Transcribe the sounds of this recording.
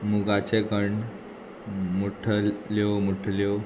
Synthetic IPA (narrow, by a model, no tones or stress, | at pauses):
muɡat͡seɡəɳ | muʈʰəlewmuʈʰle